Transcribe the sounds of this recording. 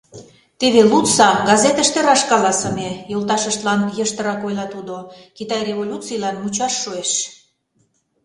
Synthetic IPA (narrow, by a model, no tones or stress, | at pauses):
t̪eβelut̪t͡sɑɡɑzet̪ə̆ʃt̪eɾɑʃkɑlɑsə̆mejolt̪ɑʃəʃt̪lɑnjəʃt̪əɾɑkojlɑt̪ud̪okit̪ɑjreβolʲut͡sijlɑnmut͡ɕɑʃːueʃ